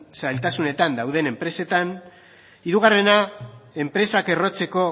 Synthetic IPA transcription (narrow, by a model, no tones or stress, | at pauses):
sajlt̪asune̞t̪and̪awðe̞ne̞mpɾe̞se̞t̪an | iɾuɣ̞are̞nae̞mpɾe̞sake̞ro̞t͡se̞ko̞